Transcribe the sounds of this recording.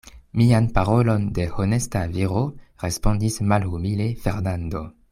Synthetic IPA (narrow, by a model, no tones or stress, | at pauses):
mianpaɾo̞lo̞nde̞hone̞staviɾoɾe̞spo̞ndismalhumile̞fe̞ɾnando̞